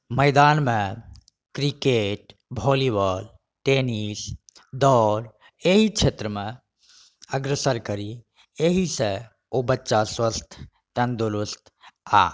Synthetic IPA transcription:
məɪd̪aːnmẽ | kɾikeʈ | bʱɔliʋəl | ʈenis | d̪ɔɾ | eɦikt͡ʃʰet̪ɾəmẽ | əɡɾəsəɾkəɾi | eɦise | obətːʃaswəst̪ʰ | t̪ənd̪uɾust̪ʰa̰

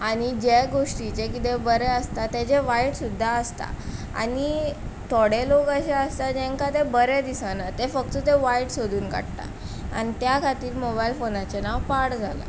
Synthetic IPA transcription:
aɽ̃id͡ʑeɡoʂʈit͡ɕekit̪̬ebəɾɛəst̪at̪ed͡ʑeʋaiʈsud̪ʱːaəst̪a̰ | a̰nit̪ʰɔɽelokəɕeəst̪ad͡ʑɛ̃ŋkat̪ebəɾed̪isanat̪efək̚t̪ət̪eʋaiʈsod̪ʱuːnka̰ɽʈa̰ | a̰ñit̪jakʰat̪iːɾmobailfonat͡ɕenaʋpaɽd͡zʱala̰

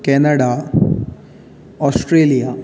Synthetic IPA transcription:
kenɐɽaː | oːsʈɾeːlija

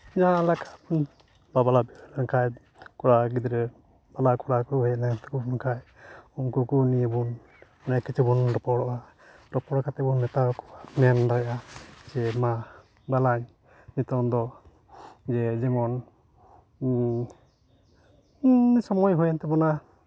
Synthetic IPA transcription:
d͡ʒaãlakʰa | babalabinaŋkʰaj | kɔɽaɡid̪ɾɛ | b̥alakɔɽakuɦɛnaɡant̪ɛkubɔnkʰaj | umkukunibun | anakit͡ʃʰibunɾɔpɔɽɔʔa | ɾɔpɔɽkat̪ɛbɔnːɛt̪akɔamɛndajʔad͡ʒɛma | balaɲ | nit̪ɔnd̪ɔ | d͡ʒɛd͡ʒɛmɔn | sɔmɔjɦujɔnt̪ɛbɔna

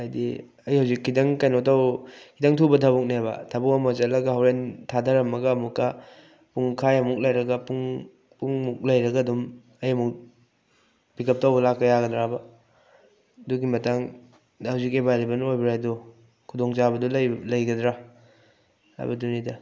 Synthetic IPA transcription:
ajdḭ | ɐjhawzikʰːidɐŋkajnotawkʰidɐŋtʰubɐtʰabuk̚nebɐ̰tʰabukɐmɐt͡ʃɐtlɐɡɐɦawɾentʰadʰʱɐɾɐmːɐɡɐːmukːɐ | puŋkʰajɐmuk̚lɐjɾɐɡɐpuŋ | puŋmuk̚lɐjɾɐɡɐdum | ɐjɐmuk̚ | bikɐp̚tawbɐlakːɐjaɡɐdɾabɐ | duɡimɐtaŋ | dhawzik̬ebajlibɐnojbiɾajdɔ | kʰudɔŋt͡ʃabɐdɔllɐjɡɐdɾa | ha̰jbɐdunidɐ

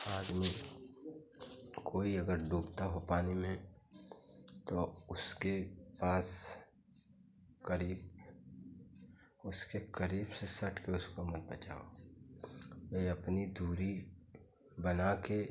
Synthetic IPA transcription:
aːd̪mi | kʰoːiɐɡəɾɖuːkt̪aɦopaːnimẽ | t̪oʊskepaːs | kəɾiːb | ʊskekəɾiːbsesɐʈʰkeʊskomət̪̚bət͡ʃa̰ːo | eɐpnid̪ʱuːɾi | bənake

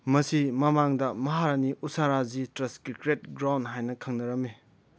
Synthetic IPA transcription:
mɐsimɐmaŋdɐmɐɦaɾɐniʔusaɾazitɾɐskikɾet̚ɡɾawnɦajnɐkʰɐŋnɐɾɐme

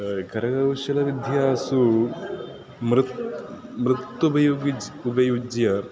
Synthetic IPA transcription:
kɐɾɐɡɐʋʃɐlɐʋid̪ʱjasu | mɾut̪ | mɾut̪ːubɐjoɡiubɐjud͡ʒjɐ

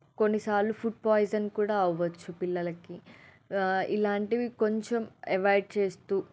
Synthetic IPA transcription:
konːisaːllupʰuʈ̚pɔːjzɐnːkuːɽaːɐʋɐt͡ʃːupilːɐlɐki | ilaːɳʈiʋiko̞ɲt͡ʃemeʋɐjʈ̚t͡ʃe̞ːst̪uː

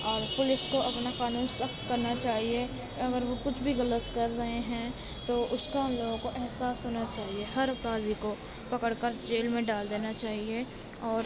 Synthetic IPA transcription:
ɔːɾpʊlɪskoʔɐpnakaːnuːnsəxt̪kɐɾnat͡ʃaːɦie | ɐɡəɾʋokʊt͡ʃʰbʱiɣɐlət̪kɐɾɾɐɦeɦɛ̃ | t̪oʔʊskaʊ̃nloːɡõkoʔɛɦsaːsɦoːnat͡ʃaːɦiehɐɾɐpɾaːd̪iko | pɐkəɽkəɾd͡ʒeːlmẽɖaːld̪eːnat͡ʃaːɦie | ɔːɾ

